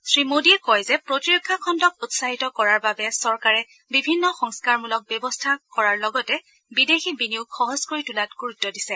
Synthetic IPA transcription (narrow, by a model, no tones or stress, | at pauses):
sɹimodiɛkɔjzɛpɹotiɹɔkʰːakʰɔntɔk̚ʊtsaɦitɔkɔɹaɹbabɛsɔɹkaɹɛ | bibʱinːɔxɔŋskaɹmulɔk̚bɛbɔstʰakɔɹaɹlɔɡɔtɛ | bidexibiniʊkxɔɦɔzkoɹitulatɡ̥uɹutːɔdisɛ